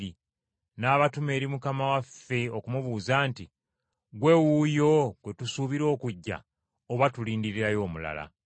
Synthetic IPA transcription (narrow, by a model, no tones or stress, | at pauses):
i | naːβatume̞ːɾimukamawafːe̞o̞kumuβuːzaːnti | ɡwe̞wujo̞ɡ̥we̞tusuβiɾo̞ːkuɟːa̰ | oβatuliːndiɾiɾajo̞ːmula̰la̰